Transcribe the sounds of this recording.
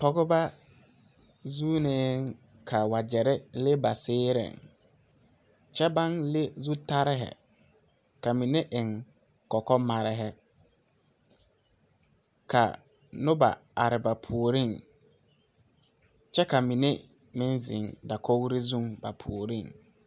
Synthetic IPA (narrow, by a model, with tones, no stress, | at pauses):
tɔ˨ɣʊ˦ba˦ | zuː˦neː˦ŋ | kʰa˨wa˨d͡ʒɛ˨ɾɛ˦le˦ba˨sɪː˦ɾɪ̰˨ŋ | t͡ʃɛ˦ba˦nle˦zu˦ta˦ɾɪ˦ɦɛ̰˨ | ka˨mi˨ne˦ʔɪ˨ŋ | kɔ˨kɔ˦ma˨ɾɪ˦ɦɛ˦ | kʰa̰˨ | nʊ˦ba̰˨a˨ɾɪ˨ba˨pʰu˨o˨ɾi˦˨ŋ | t͡ʃɛ˦ka˨mi˨ne˦ | mɪ˦nzɪ˨ŋda˨ko˦ɣɾi˦zũ˦ŋba̰˨pʰu˨o˨ɾi˦˨ŋ